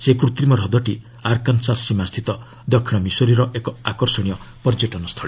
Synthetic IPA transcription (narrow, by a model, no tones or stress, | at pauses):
sekɾut̪ɾimɔɾɦɔd̪ɔʈi | aɾkansasimast̪ʰit̪ɔ | d̪ɔkʰːiɽ̃ɔmisoɾiɾɔʔekɔakɔɾsɔɽ̃ijɔpɔɾd͡ʒeʈɔnɔst̪ʰɔɭi